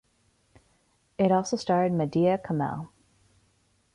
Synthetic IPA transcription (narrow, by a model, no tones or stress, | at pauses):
ɪɾɔlˠsoʊstɑɹɾɨd̚mɨdiɨkʰəmɛ̰lˠ